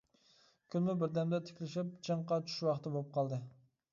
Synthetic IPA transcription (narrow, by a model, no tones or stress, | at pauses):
kʲʰynmɪbɪɾd̪ɛmd̪ɛt̪ʰɪ̥kʲlɪʃip̚t͡ʃʰɨɴqɑt͡ʃʰy̥ʃwɑχt̪ɨbop̚qʰɑlˠd̪ɨ